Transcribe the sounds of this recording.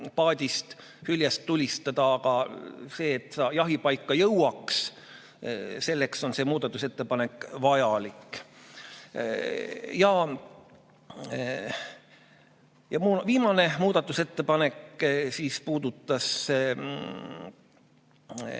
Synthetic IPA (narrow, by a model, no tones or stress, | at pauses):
pɑːd̪̥ʲist̪ | hylʲjɑst̪ːulʲist̪ɑd̪ɑːɡ̥ɑse̞ːt̪ːˑsɑːjɑɦipɑjkˑːɑjɤwɑks | se̞lːekso̞nse̞ːmuːd̪̥ɑt̪ːˑuse̞t̪ːe̞pɑne̞kːˑvɑjɑlikː | jɑ | jɑmuviːmɑne̞muːd̪̥ɑt̪ːˑuse̞t̪ːe̞pɑne̞ksiːspuːd̪̥ut̪ˑːɑs